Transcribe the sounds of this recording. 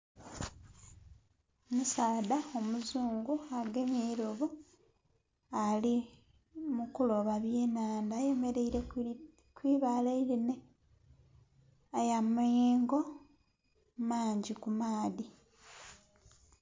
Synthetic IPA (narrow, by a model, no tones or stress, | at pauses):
omusaːdaomuzuːŋɡuaɡe̞miɾuβo | ali | mukulo̞βaβjeːnaːndaje̞me̞ɾe̞iɾe | kwiːβaleiɾine | ajamajeːŋɡo̞ | maːɲɟikumaːði